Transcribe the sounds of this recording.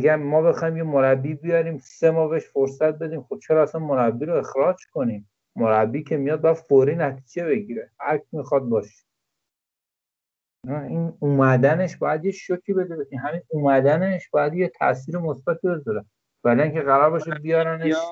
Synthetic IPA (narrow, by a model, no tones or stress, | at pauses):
ɡæmːɒːbe̞xɒːhimjemoɾæbːiːbijɒɾiːmse̞mɒːbeheʃfoɾsæt̪̚be̞d̪iːmxob̚t͡ʃʰeɾɒːæsænmoɾæbːiːɾoexɾɒːd͡ʒkʰo̞niːmː | oɾæbːiːcʰe̞mijɒd̪̚bɒjæd̪foɾiːnæt̪ʰi̥ːd͡ʒe̞βe̞ɡiːɾehæ̰ɾkʰimixɒd̪̚bɒːʃe̥ | næinuːmæd̪æne̞ʃbɒːjæd̪jeʃocʰiːbe̞d̪ebeimɦæminuːmæd̪æneʃbɒjæd̪jet̪ʰæ̰ʔsiːɾemosbæt̪ʰibe̞zɒɾe | væliincʲʰeɣæɾɒɾbɒːʃebijɒːɾæne